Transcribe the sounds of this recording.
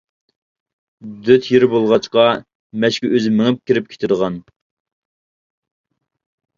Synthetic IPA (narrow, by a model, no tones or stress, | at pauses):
d̪øt̪ʰjiɾbolˠʁɑt͡ʃqɑ | mɛʃkʲiʔøzɪmɪŋɪp̚kʲiɾɪp̚kʰʲe̥t̪ʰɪd̪əʁɑn